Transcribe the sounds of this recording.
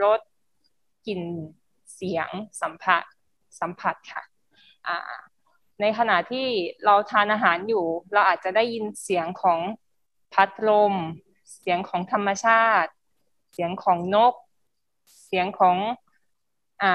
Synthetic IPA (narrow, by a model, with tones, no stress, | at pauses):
ɾo˦˥t̪̚ | ki˨˩n | si˩˦əŋsa˩˦mpʰa˨˩t̪̚ | sa˨˩˦mpʰa˨˩t̪̚kʰa̰˥˩ | ʔa̰ː˧˩ | na˧jkʰa˧na˨˩t̪ʰiː˥˩ɾa˧wt̪ʰaː˧nʔaː˧ɦaː˩˦njuː˨˩ɾa˧wʔaː˨˩t̪̚t͡ɕa˨˩da˥˩ji˧nsi˩˦əŋkʰɔː˩˦ŋ | pʰa˦˥t̪̚ɾo˧m | si˩˦əŋkʰɔː˩˦ŋt̪ʰa˧mːa˧t͡ɕʰaː˥˩t̪̚ | si˩˦əŋkʰɔː˩˦ŋno˦˥˩k̚ | si˨˩˦əŋkʰɔː˩˦ŋ | ʔaː˨˩